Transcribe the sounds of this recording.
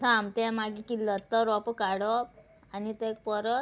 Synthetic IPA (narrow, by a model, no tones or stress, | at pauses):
samt̪ɛ̃maɡikilːət̪ːəɾɔpəkaɽɔp | anit̪ek̚pəɾə